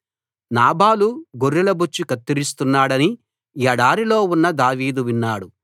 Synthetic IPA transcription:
naːbaːluɡoɾːilɐbut͡ʃːikɐt̪ːiɾist̪unːaːɽɐni | ɐɽaːɾilo̞ːunːɐd̪aːʋiːd̪uʋinːaːɽu

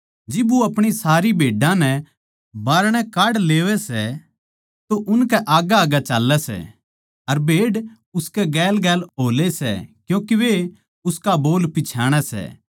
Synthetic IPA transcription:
d͡ʒɪbuɐpɽ̃isaːɾibʱeːɖãnɛ | baːɾɽ̃ɛ̃kaːɽleːʋɛsɛ | t̪oʔʊnkɛʔaːɡaaːɡat͡ʃaːlːɛsɛ̰ | ɐɾbʱeːɽɖ | ʊskɛɡɛːlɡɛːlɦoːlesɛ̰kjõːkiʋe | ʊskaboːlpɪt͡ʃʰaːɽ̃ɛsɛ̰

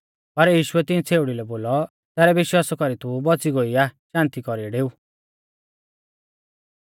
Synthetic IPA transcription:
pɐɾjiːʃuɛt̪ɪĩt͡sʰeːʊɽilɛboːlɔ | t̪ɛːɾɛʋɪʃwaːsɔkɔɾit̪ubɔt͡siɡoiaʃãːnt̪ikɔɾiɖeːu

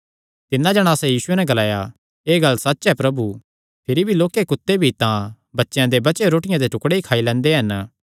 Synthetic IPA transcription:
t̪ɪnːãd͡ʒɐɽ̃aːsɛ̃jiːsʊenɛɡɐlaːja | eːɡɐlsɐt̪ːʃɦɛpɾɐbu | pʰɪɾibʱiloːkekʊt̪ːebʱit̪ã | bɐtːʃjãd̪ebɐt͡ʃeɾoːʈɪjãd̪eʈʊkɽeikʰaːilɛ̃ːnd̪eɦɐn

